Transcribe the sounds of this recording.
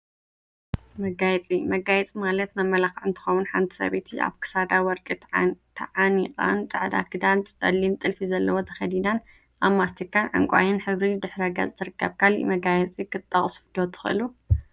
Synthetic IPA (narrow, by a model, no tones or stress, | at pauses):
mɐɡajɛt͡sʼimɐɡajɛt͡sʼimalɐt̪naβmɐlaxaʕɨnt̪ʰɨ̥xɐwunħa̰nt̪ʰi̥sɐ̰βet̪ʰia̰βkʰɨ̥sad̪awɔɾkʼit̪ʰɐʕanikʼa̰nt͡sʼaʕd̪a̰kʰɨd̪ant͡sʼɐ̰lint̪ʼɨlfizɐlːɐwo̞t̪ʰɐ̥xɐd̪inan | ʔaβmːast̪ʰikʰːanʕa̰ŋkʷʼa̰jɪnħɨβɾid̪ɨħɾɐɡa̰zʼt̪ʰɨɾɨkʰːɐ̰βkʰaliʔmɐɡajɛt͡sʼikʰɨt̪ʼːɐχʼsfd̪̥ot̪ʰɨ̥xɨʔɨlu